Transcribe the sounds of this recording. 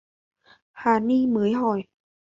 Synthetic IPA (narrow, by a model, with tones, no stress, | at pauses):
hʰaː˨˩niː˧mɯː˨˦jɦɔː˨˩j